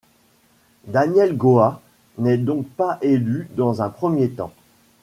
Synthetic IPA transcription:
d̪anjɛlɡoa | nɛd̪ɔ̃k̚paʔelyd̪ɑ̃zɛ̃pχəmjet̪ɑ̰̃

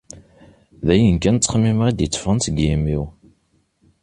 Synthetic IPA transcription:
ðæjənkænt͡s̪ːχmimʁid̪jət͡sːfʁənsəɡimiw

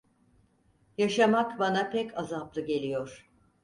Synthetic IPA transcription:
jaʃamakbanapʰɛcʰazaplˠɯɟe̞lʲijoɾ̥

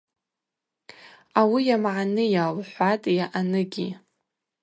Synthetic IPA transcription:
awijamʕanɨjalħʷatʼjaʔanɨɡʲḭ

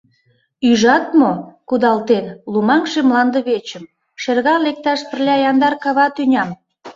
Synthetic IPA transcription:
yʒɑt̪mokud̪ɑlt̪enlumɑŋʃemlɑnd̪əβet͡ɕəm | ʃerɣɑnlek̚t̪ɑʃpə̆rlʲɑjɑnd̪ɑrkɑβɑt̪ynʲɑm

